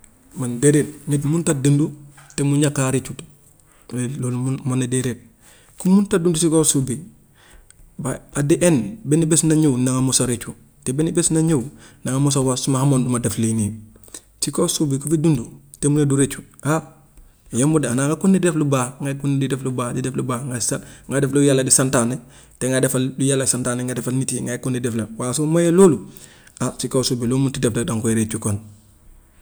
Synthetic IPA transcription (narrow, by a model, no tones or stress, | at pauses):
mandeɾet̚ɲitmuntadəndutemuɲakːaɾit͡ʃut | weloːlmanadeɾet̚ | kumuntadundusikosubi | baadeʔenbenibesnaɲewnaŋamosaɾet͡ʃu | tebenibesnaɲewnaŋamus̬awasumahamondumadaflini | sikosubikufidundu | temunɐduɾet͡ʃu̥ʔa | jambudanaŋɡakunːideflubaːŋɡakunidideflubaːdideflubaːŋɡasaŋɡadeflujalːɐdisantane | teŋɡadefaldujalːasantaːneŋɡadefalnitiŋɡakunideflɐwaːs̬omajeloːlu | asikosuːbilomuntidefladaŋkueɾet͡ʃukon